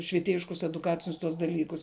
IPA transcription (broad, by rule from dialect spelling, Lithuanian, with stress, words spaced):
ʃʲʋʲiɛˈtʲeːjɪʃkʊs ɛdʊˈkɑːt͡sʲɪnʲʊs tuɔs dɐˈlʲiːkʊs